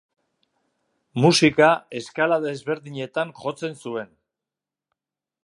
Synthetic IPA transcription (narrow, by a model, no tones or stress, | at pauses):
musikae̞skalaðe̞zβe̞ɾðiɲe̞t̪aŋʝo̞t͡se̞nsue̞n